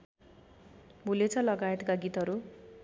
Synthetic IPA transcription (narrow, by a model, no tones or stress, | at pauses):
bʱulet͡sʰʌlʌɡajet̪kaɡit̪ɦʌɾu